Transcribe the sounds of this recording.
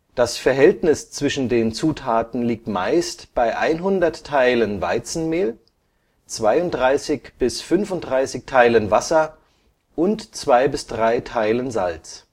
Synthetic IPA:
d̥asfɛɐɦɛltnɪst͡sv̥ɪʃn̩deːnt͡suːtʰaːtn̩liːk̚tma̰ɪstb̥aɪʔaɪnɦʊndɐtʰːaɪlənva̰ɪt͡sn̩meːl | t͡sv̥aɪʊnt̚d̥ʁaɪsɪçb̥ɪsfʏnfʊnt̚d̥ʁaɪsɪçtʰaɪlənvasɐ | ʔʊntt͡sv̥aɪbɪsd̥ʁaɪtʰaɪlənza̰lt͡s

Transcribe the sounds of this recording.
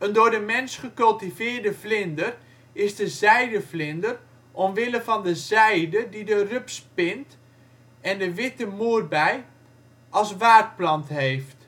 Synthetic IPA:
əndoːrdəmɛnsχəkɵlˠtivɪːrdəflɪndər | ɪzdəzɛjdəflɪndər | ʔɔmʋɪləfɔndəzɛjdədidərøpspɪnt | ɛndəʋɪtəmuərbɛj | ɑlˠsʋaːt̚plɑntɦeːft

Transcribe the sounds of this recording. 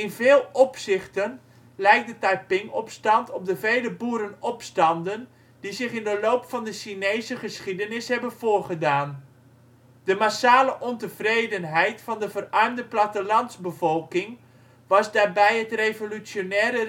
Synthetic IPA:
ɪnvɪːlˠɔpsɪχtən | lɛjk̚dətajpɪŋɔpstɑntʰɔp̚dəvejləbuːɾənɔpstɑndən | d̥izɪχɪndəloːpfɑndəʃinejzəχəsχidənɪshɛbənv̥oːrχədaːn | d̥əmasaːləʔɔntəvrejdənɦɛjtfɑndəvərʔœːmdəplatəlɑnzbəvɔlˠkɪŋ | ʋɑsdaːrbɛjətrevolysjonɛːɾə

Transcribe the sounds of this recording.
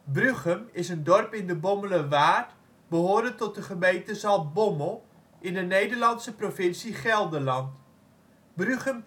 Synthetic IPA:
bryχəmɪsəndɔrpɪndəbɔmələʋaːrt | bəɦʊːɹdətɔt̚dəχəmejntəzɑlˠbɔməlˠ | ʔɪndənejdərlɑnsəprofɪnsiχɛlˠdəlɑnt | bryχəm

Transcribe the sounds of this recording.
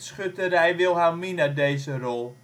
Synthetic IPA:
sχøtərɛjʋɪlˠɦaminədejzərɔlˠ

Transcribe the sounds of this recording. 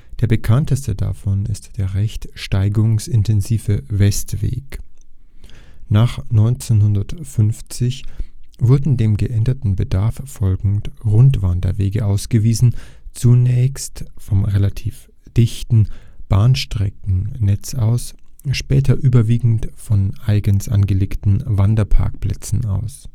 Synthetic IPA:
d̥eːɐbəkʰantʰəstəda̰fɔnɪstd̥eːɐʁɛçtʃtaɪɡʊŋsɪntʰɛnziːvəvɛstv̥ḛːk | naːχnɔʏnt͡senhʊndɐtfʏnft͡sɪçvʊɐdn̩deːmɡəʔɛndɐtn̩bədaɐffɔlɡŋ̩tʁʊntv̥andɐ̰veːɡəʔaʊsɡ̥əviːzn̩t͡sunɛːçstfɔmʁelatʰiːf | d̥ɪçtn̩b̥aːnʃtʁ̥ɛkŋŋ̩nɛt͡sʔaʊsʃpɛːtʰɐʔyːbɐviːɡŋ̩tfɔnʔaɪɡənsʔa̰nɡəleːktn̩vandɐpʰa̰ɐkpl̥ɛ̰t͡sn̩a̰ʊs

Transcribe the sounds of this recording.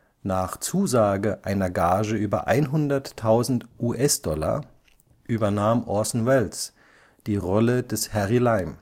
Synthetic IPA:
naːχt͡suːzaːɡəʔaɪnɐɡaːʒəʔyːbɐ̰ʔa̰ɪnɦʊndɐtʰːaʊzn̩tʔuːʔɛsd̥ɔlɐ̰ | ʔyːbɐnaːmʔɔsn̩wɛls | d̥iːʁɔlədɛshɛʁilaɪm

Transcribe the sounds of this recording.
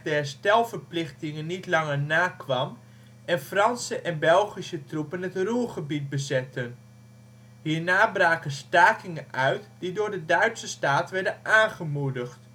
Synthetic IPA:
dəɛɹstɛlˠvəɹplɪχtɪŋənːitlɑŋəɹnaːkʋɑm | ʔɛnfrɑnsəʔɛnbɛlˠχisətrupənɦətruχəbit̚bəzɛtən | hiːɹnaːbraːkənstaːkɪŋənʔœɥtdidʊːɹdədœɥtsəstaːtʋɛɹdənʔaːnχəmudəxt

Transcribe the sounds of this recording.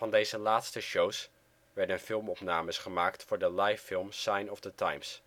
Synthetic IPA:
vɑndejzəlaːtstəʃows | ʋɛɹdənfɪlˠmɔpnaːməsχəmaːktfʊːɹdəlɑjfɪlˠmsɑjnɔvdətajms

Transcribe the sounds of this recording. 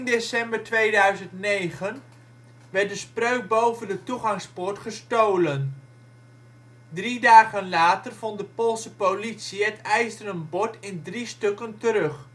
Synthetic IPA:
ɪndesɛmbəɹtʋejdœɥzəntnejχən | ʋɛɹt̚dəsprøɥk̚bowvəndətuχɑŋspɔɹtχəstowlən | dridaːχənlaːtərv̥ɔntdəpolˠsəpowlitsiətɛjstənəmbɔɹtɪndristɵkəntəɾɵχ

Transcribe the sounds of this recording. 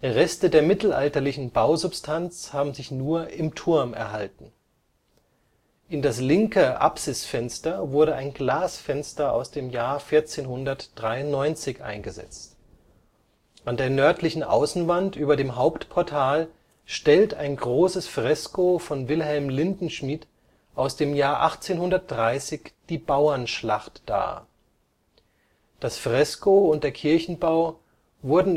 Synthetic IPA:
ʁɛstədeːɐmɪtl̩ʔa̰ltɐlɪçn̩baʊzʊpstʰant͡shaːbm̩zɪçnuːɐʔɪmtʰʊɐmɛ̰ɐɦaltn̩ | ʔɪndaslɪŋkəʔa̰psɪsfɛnstɐvʊɐɾəaɪnɡlaːsfɛnstɐa̰ʊsd̥eːmjaːɐfɪɐt͡seːnhʊndɐtd̥ʁaɪʊntnɔʏnt͡sɪçʔa̰ɪnɡəzɛ̰t͡st | ʔandeːɐnœɐtʰlɪçn̩ʔa̰ʊsn̩vantʔyːbɐdeːmɦaʊptpʰɔɐtʰaːl | ʃtɛlta̰ɪnɡʁoːsəsfʁ̥ɛskofɔnvɪlɦɛlmlɪndn̩ʃmit | ʔaʊsd̥eːmjaːɐʔa̰χt͡seːnhʊndɐt̚d̥ʁaɪsɪçd̥iːbaʊɐnʃla̰χtd̥a̰ː | d̥asfʁ̥ɛskoʊnt̚d̥eːɐkʰɪɐçn̩baʊ | vʊɐdn̩

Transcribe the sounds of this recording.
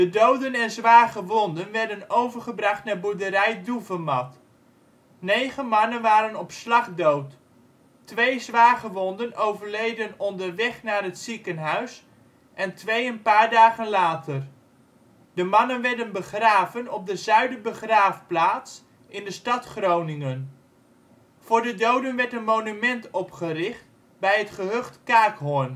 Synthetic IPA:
dədowdənɛnzʋaːχəʋɔndənʋɛɹdənowvəɹχəbrɑχtnaːɹbuɹdəɾɛjduvəmɑt | nejχənmɑnənʋaːɾənɔpslɑχdowt | ʋejzʋaːχəʋɔndənowvəɹlejdənɔndəɹʋɛχnaːɹɦətsikənɦœɥs | ʔɛntʋejənpaːɹdaːχənlaːtər | dəmɑnənʋɛɹdənbəχraːvənɔp̚dəzœɥdəbəχraːfplaːts | ʔɪndəstɑtχrownɪŋən | v̥ʊːɹdədowdənʋɛɹtənmownymɛntɔpχərɪχt | bɛjɦətχəɦøχtkaːkɦʊn

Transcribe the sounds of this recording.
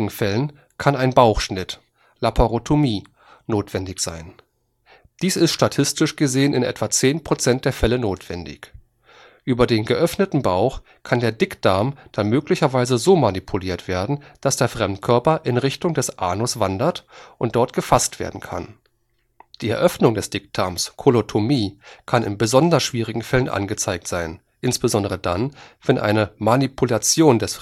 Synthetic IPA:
ɡŋ̩fɛlən | kʰanaɪnbaʊxʃnɪt | lapʰoʁotʰomiː | noːtv̥ɛndɪçz̥a̰ɪn | d̥iːsɪstʃtatʰɪstɪʃɡ̥əzeːənɪnʔɛ̰tv̥at͡seːnpʁ̥ot͡sɛnt̚d̥eːɐfɛlənoːtv̥ɛndɪ̰ç | ʔyːbɐdeːnɡəʔœfnətn̩baʊx | kʰandeːɐdɪkd̥aɐmd̥anmøːklɪçɐvaɪzəzoːmanipʰuliːɐtv̥eːɐdn̩d̥asd̥eːɐfʁ̥ɛmtkʰœɐpɐʔɪnʁɪçtʊŋdɛsʔaːnosv̥andɐtʔʊntd̥ɔɐtɡ̥əfastv̥ḛːɐdn̩kʰa̰n | d̥iːɛɐʔœfnʊŋdɛsd̥ɪkd̥aːmskʰolotʰomiːkʰanɪ̰nbəzɔndɐsʃv̥iːʁɪɡŋ̩fɛlənʔa̰nɡət͡saɪk̚tz̥aɪn | ʔɪnsb̥əzɔndəʁ̞ədanv̥ɛnʔa̰ɪnəmanipʰulat͡sjoːndɛs

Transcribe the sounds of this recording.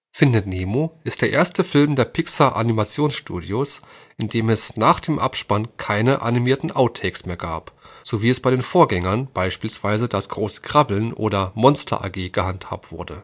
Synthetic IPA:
fɪndəneːmoʔɪstd̥eːɐʔeːɐstəfɪlmdeːɐpʰɪksaʔa̰nimat͡sjoːnsʃtṵːdiosʔɪndeːmɛsnaːχd̥eːmʔa̰pʃpankʰaɪnəʔa̰nimiːɐtn̩ʔaʊtʰɛːksmeːɐɡa̰ːpz̥oviːɛsb̥aɪɾeːnfoːɐɡɛŋɐnb̥aɪʃpiːlsv̥aɪzədasɡ̥ʁoːsə̥kʁ̥abl̩nʔo̰ːdɐmɔnstʰɐ̰ʔa̰ɡeːɡ̥əhantha̰ːp̚tv̥ʊɐdə

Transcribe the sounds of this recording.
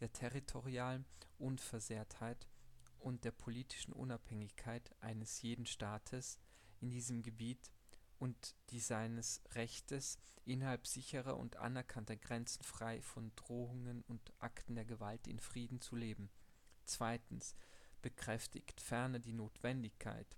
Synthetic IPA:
d̥eːɐtʰɛʁitʰoʁiaːlənʔʊnfɛɐzeːɐthaɪtʔʊnt̚d̥eːɐpʰoliːtʰɪ̥ʃn̩ʔʊ̰naphɛŋɪçkʰaɪtʔa̰ɪnəsjeːdn̩ʃtaːtʰəs | ʔɪndiːzəmɡəbiːtʔʊntd̥iːzaɪnəsʁɛçtəsʔɪnhalpz̥ɪçəʁɐ̰ʔʊ̰ntʔa̰nɛɐkʰantɐɡʁɛnt͡sn̩fʁ̥aɪfɔndʁoːʊŋənʊntʔa̰ktn̩deːɐɡəvaltɪ̰nfʁ̥iːdn̩t͡suleːbm̩ | t͡sv̥aɪtn̩sb̥əkʁ̥ɛftʰɪ̰çtfɛɐnədiːnoːtv̥ɛndɪçkʰa̰ɪt

